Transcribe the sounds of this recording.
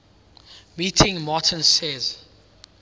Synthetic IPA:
mitʰɪ̃ŋmatʰə̃nsɛz

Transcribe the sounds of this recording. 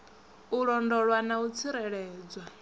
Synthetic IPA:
uɺɔndɔɺwanaut͡sʰiɾɛɺɛːd͡zwa

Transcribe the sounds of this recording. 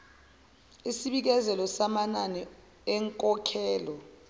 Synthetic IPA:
isiɓik̬ɛzɛlɔsamananɛ | ɛŋkʼɔkʰɛːlɔ

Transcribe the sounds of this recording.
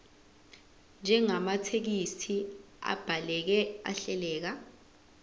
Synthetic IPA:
nd͡ʒʱɛŋamatʰek̬isʰi | a̰b̥ʱalɛk̬ɛa̰ɬɛlɛːk̬a

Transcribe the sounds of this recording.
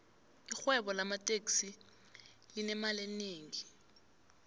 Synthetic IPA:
ixwɛɓɔlamatʼeksi | linɛmaleneːŋi

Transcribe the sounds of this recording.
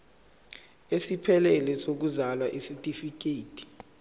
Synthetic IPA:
esipʰɛlɛlɛsok̬uzalwaʔisitʼifik̬ʼeːtʰʼi̥

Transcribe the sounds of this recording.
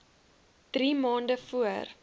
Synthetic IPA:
d̥rimɑːndəfuər

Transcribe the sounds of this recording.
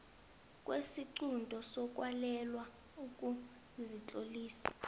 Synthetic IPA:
kʼwesiǀundʱɔsɔk̬ʼwalɛlwa | ukʼu | zit͡ɬʼoliːsa̰

